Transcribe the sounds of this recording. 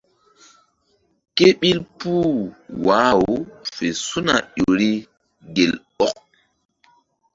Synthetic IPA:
ke˦ɓi˦lpuː˦wa˨˦woo˨˦fe˨su˦na̰˨ɗo˨ɾi˦ | ɡe˨lɓɔ˦k̚

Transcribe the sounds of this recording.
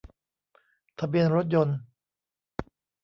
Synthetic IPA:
t̪ʰa˧bi˧ənɾo˦˥t̪̚jo˧n

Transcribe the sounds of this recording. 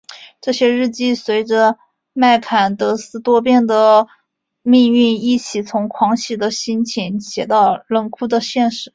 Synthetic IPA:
ʈ͡ʂɤ˥˩ɕjɛ˥ɻɻ̩˥˧t͡ɕi˥˩swe˧˥ɪʈ͡ʂə˧ | ma˥˩ɪkʰa˨˩nt̪ɤ˧˥sɹ̩˥t̪wɔ˥pjɛ˥˩nd̪ə˩ | mi˥˧ŋy˥˧ni˥˩t͡ɕʰi˨˩t͡sʰʊ˧˥ŋkʰwɑ˧˥ŋt͡ɕʰi˨˩d̪ə˩ɕi˥nt͡ɕʰi˧˥nɕjɛ˧˩t̪ɑ˥˩˧ʊlə˥˩nkʰu˥d̪ə˨ɕjɛ˥˩nʂɻ̩˧˩˦

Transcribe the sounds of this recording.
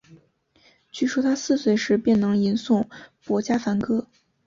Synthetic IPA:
t͡ɕy˥˩ʂu˥t̪ʰa˥sɹ̩˥˩swe˧˩ɪʂɻ̩˧˥pjɛ˥˩nnɤ˧˥ŋi˧˥nsʊ˥˩ŋpwɔ˧˥t͡ɕja˥fa˧˥nkɤ˥

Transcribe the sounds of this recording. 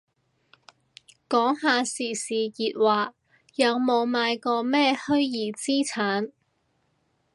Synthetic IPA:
kɔː˨˥ŋɦaː˧siː˨˩siː˨˩jiː˨˧t̚waː˨ | jɐ˨˧wmo˨˧wmaː˨˧jkɔː˧mɛː˥hɵ˥ɥjiː˨˩t͡siː˥t͡sʰaː˨˥n

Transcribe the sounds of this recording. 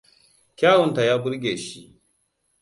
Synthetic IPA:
kʲaː˦wɔ˨nta˨jaː˦bʊ˦ɾɡʲeː˨ʃi˦

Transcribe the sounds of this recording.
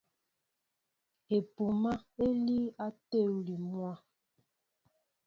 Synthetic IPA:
e˨pu˨ma˦e˦li˦a˦te˦˨wli˨mwa˦

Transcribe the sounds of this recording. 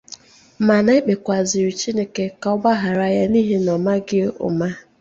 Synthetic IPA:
ma˨na˦ɪ˦k͡pe˨kʷa˨zɪ˨ɾi˨t͡ʃi˦ne˦ke˦ka˨ʊ˦ɡ͡ba˦ɦa˨ɾa˨ja˦ni˦ɦe˦nɔ˨ma˦ɡɪ˦ʊ̰˨ma˦

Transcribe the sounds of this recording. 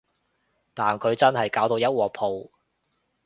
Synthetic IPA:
t̪aː˨nkʰɵ˨˧ɥt͡sɐ˥nhɐ˨jkaː˨˥wt̪o˧wjɐ˥t̚wɔː˨˧pʰo˨˧w

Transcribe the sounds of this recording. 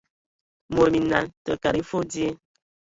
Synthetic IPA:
mo˨mi˨na˨ntə˨ka˨ɾi˦fo˦di˦e˦

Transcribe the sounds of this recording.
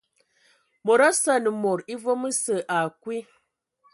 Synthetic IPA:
mo˨ɾa˦sa˦nə˨mo˨ɾi˦vo˦mə˦sə˨ʔa˨kwi˦

